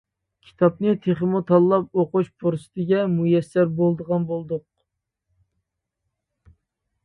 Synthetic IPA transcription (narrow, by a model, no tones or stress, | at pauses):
kʲʰi̥t̪ʰɑp̚nɨt̪ʰeχəmut̪ʰɑlˠːɑp̚oquʃpʰoɾsɨ̥t̪ʰɪɡʲɛmujɛsːæɾbolˠd̪əʁɑnbolˠd̪ʊq̚